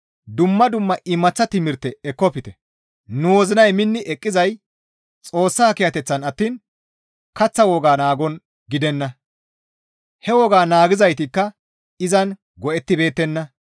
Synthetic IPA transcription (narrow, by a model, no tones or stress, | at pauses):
d̪ʊmːɐd̪ʊmːɐʔɪmːɐt͡sːɐt̪ɪmɪɾt̪ːɛɛkːɔpɪt̪ɛ | nuwɔzɪnɐjmɪnːɪʔɛkʼːɪzɐj | t͡sʼo̞ːsːaːkɪjɐt̪ɛt͡sːɐnɐt̪ːiːn | kɐt͡sːɐwɔɡaːnaːɡɔn | ɡɪd̪ɛnːɐ | hɛwɔɡaːnaːɡɪzɐjt̪ɪkːɐ | ɪzɐn | ɡɔʔɛt̪ːɪbe̞ːt̪ːɛnːɐ